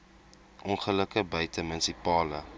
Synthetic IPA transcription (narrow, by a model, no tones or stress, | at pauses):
ʔɔnχələkəbœɥtəmənsipɑːlə